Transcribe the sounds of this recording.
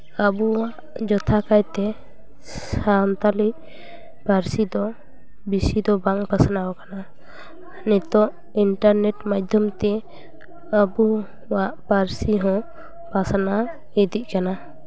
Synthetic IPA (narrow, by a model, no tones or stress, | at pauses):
abuwaʔd͡ʒɔt̪ʰakajt̪ɛ | sant̪aliʔ | paɾsid̪ɔ | bisid̪ɔbaŋpasanawɔkana | nit̪ɔʔ | iɳʈaɾnɛʈmad̪ʱjɔmt̪ɛ | əbu | waʔpaɾsiɦɔ̃ | pasana | id̪iʔ̚kana